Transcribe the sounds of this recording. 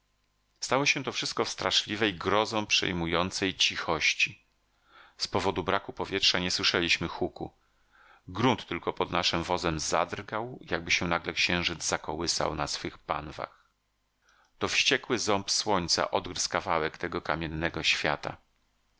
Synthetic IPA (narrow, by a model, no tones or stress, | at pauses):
st̪awɔɕɛ̃t̪ɔfʂɘ̥st̪̚kɔfst̪ɾaʂlʲivɛjɡɾɔzɔ̃w̃pʂɛ̰jmujɔnt̪sɛjt͡ɕixɔɕt͡ɕi | spɔvɔd̪ubɾakupɔvʲjɛtʂaɲɛswɘʂɛlʲiɕmɘxukṵ | ɡɾunt̪ːɘlkɔpɔd̪naʂɘmvɔzɛmza̰d̪rɡawjaɡ̚bɘɕɛ̃naɡlɛkɕɛ̃w̃ʐɘd̪d͡z̪zakɔwɘsa̰wnasfɘxpa̰nva̰x | t̪ɔfɕt͡ɕɛkwɘzɔmpswɔɲt̪sa̰ʔɔd̪ɡɾskavawɛkt̪ɛɡɔkamʲjɛnːɛɡɔɕfʲja̰t̪a̰